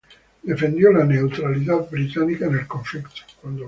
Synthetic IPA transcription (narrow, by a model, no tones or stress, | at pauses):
d̪efend̪jɔlaneut̪ɾalit̪̬abɾit̪anikanelkoɱflikt̪o̥kwand̪o